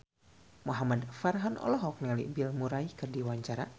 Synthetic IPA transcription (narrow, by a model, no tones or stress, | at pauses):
muɦamadfarɦɔnɔ̰lɔɦɔk̚nalḭʔbilmuɾaikɨrdiwaɲt͡ʃaɾa